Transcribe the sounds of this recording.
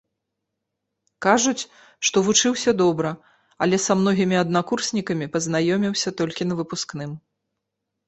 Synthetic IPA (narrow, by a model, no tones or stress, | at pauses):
kaʐut͡sʲ | ʂt̪ɔvut͡ʂɨwsʲɐd̪ɔbɾɐ | ɐlʲɛsamnɔɣʲimʲiɐd̪nakursʲnʲikɐmʲipɐznajɔmʲiwsʲɐt̪ɔlʲkʲinɐvɨpusknɨm